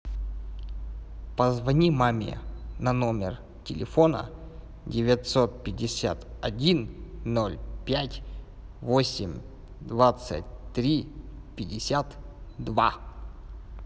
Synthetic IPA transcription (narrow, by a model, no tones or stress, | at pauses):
pəzvɐnʲimamʲɪ̰nɐnomʲɪ̰r | tʲɪlʲɪ̰fonə̰ | dʲɪvʲət̪sot̪̚pʲɪdʲɪsʲa̰t̪ɐdʲinnolʲpʲatʲ | vosʲɪmʲ | d̪vat̪sə̰t̚ʲt̪ɾʲipʲɪdʲɪsʲat̪d̪va̰